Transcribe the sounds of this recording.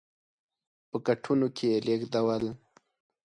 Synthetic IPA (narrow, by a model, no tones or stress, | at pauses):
pəkaʈʰunokʰeelekd̪awəl